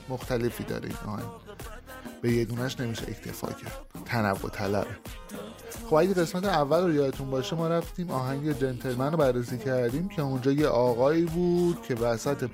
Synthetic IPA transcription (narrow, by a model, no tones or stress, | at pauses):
moxt̪æle̞fiːd̪ɒ̰ːɾḛḭnɒ̰ːhæ̰ŋɟ | b̥e̞jed̪uːnæʃne̞miːʃḛḛcʰt̪ʰe̞̰fɒ̰ːcʰæɾd̪̥̚t̪ʰænævːo̞̰t̪ʰælæ̰be | χo̞bæɟeɣe̞smæt̪ʰeævːælrojɒːet̪ʰunbɒːʃemɒːɾæft̪iːmɒːɦæɲɟed͡ʒent̪ʰelmænːobærːesiːcʰæɾd̪iːmcʰe̞und͡ʒɒːjeʔɒːɣɒːiːbuːd̪̥cʰe̞væsæt̪ʰe̞